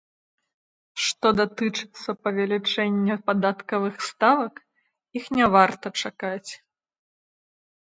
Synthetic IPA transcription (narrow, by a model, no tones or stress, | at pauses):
ʂt̪ɔd̪at̪ɨt͡ʂɨ̥t̪sːɐpɐvʲalʲit͡ʂɛnʲːɛpad̪at̪kɐvɨxst̪avɐk | ixnʲɛvart̪ɐt͡ʂakat͡sʲ